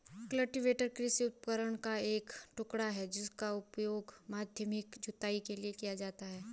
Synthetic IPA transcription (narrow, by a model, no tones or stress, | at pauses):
kləʈɪʋeːʈəɾkɾɪsiʊt̪̚pkəɾəɽ̃kaeːkʈʊkɽaɦɛd͡ʒɪskaʊpjoːɡmaːd̪ʱjəmɪkd͡ʒʱʊt̪aːikeliekijad͡ʒaːt̪aɦɛː